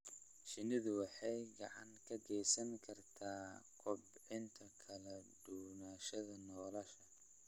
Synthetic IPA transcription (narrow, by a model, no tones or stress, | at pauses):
ʃɪnɪðʊwɑħɑjɡɑʕɑ̰ŋkʰɐɡɛjsɐŋkʰɐrt̪ʰaːkʰɔbʕɪnt̪ʰɐkʰɐlɐd̪uwnaːʃɐðɐnɔːlɐʃɐ